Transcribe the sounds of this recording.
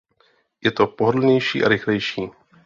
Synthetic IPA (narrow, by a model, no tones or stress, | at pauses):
jɛt̪o̞poɦodl̩ɲɛjʃḭːʔa̰ɾɪxlɛjʃiː